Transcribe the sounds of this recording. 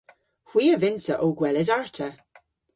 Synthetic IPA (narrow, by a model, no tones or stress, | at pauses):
hw̥iːəvɪnsəʔoːɡwɛlɛzaɹtʰə